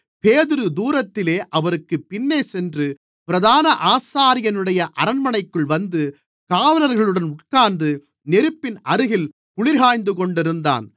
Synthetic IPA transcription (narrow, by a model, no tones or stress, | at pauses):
peːðɪɾɯd̪uːɾɐt̪ːɪleːʔɐʋɐɾɯkːɯpːɪnːeːsɛndrɯ | pɪɾɐðaːnɐʔaːsaːɾɪjɐnɯɽɐjɐʔɐɾɐnmɐnɐɪkːɯɭʋɐnd̪ɯ | kaːʋɐlɐɾɣɐɭɯɽɐnʊʈ̚kaːnd̪ɯ | nɛɾɯpːɪnʔɐɾɯɣɪl | kʊɭɪɾɦaːjnd̪ɯkɔɳɖɪɾɯnd̪a̰ːn